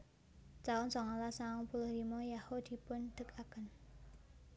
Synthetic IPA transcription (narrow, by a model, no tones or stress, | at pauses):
t͡ʃaʊnsɔŋalasaɔŋpulʊhɾimɔjahod̪̥i̤pʊnd̪̥ə̤kʰakən